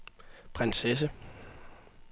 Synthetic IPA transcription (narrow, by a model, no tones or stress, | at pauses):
pʰʁenses̬ə